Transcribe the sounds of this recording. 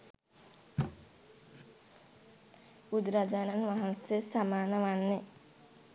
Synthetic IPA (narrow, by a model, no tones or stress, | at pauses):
ud̪ɾad͡ʒananʋaɦansesamaːnəʋanːe